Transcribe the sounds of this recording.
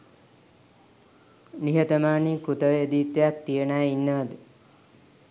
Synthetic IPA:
niɦət̪əmaːnikut̪əʋeed̪iːt̪ːejak̚t̪ijenajinːəʋəd̪ə

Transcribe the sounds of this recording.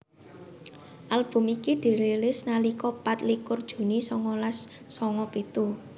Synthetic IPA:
ʔalb̥ʊ̤mikiɖ̪̥e̤ɾelɪsnalikɔpat̪likʊrd̥ʒ̥ṳnisɔŋɔlasː | ɔŋɔb̥e̤t̪u

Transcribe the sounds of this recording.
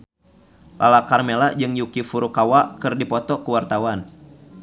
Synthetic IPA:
lʔa̰lakarmelad͡ʒɨŋjukifuɾukawakɨrdipɔt̪ɔkəwart̪awan

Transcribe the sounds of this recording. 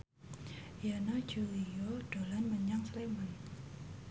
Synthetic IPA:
janɔd͡ʒulioɖ̥o̤lanməɲaŋslɛmən

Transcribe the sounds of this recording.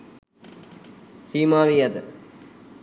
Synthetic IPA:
siːmaːʋijɐd̪ɨ

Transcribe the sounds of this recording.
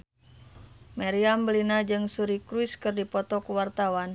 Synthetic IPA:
maɾiambəlinad͡ʒɨŋsuɾikɾuiskɨrdipɔt̪ɔkuwart̪awan

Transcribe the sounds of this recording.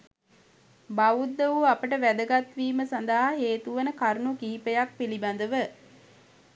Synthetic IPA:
baʋud̪ːəʋuapəʈəʋæd̪əɡat̪ʋiːməsand̪aɦaɦeːt̪uʋənəkaɾnukiːpəjak̚piliband̪əʋə

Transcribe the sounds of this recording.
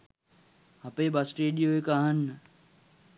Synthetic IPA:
ɦɐpeːbasʈeːɗijoːekaːɦən

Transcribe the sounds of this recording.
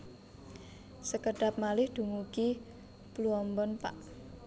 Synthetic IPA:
səkəɖ̥a̤p̚malɪhd̪̥ṳŋuki | pluɔmbɔnpa̰ʔ

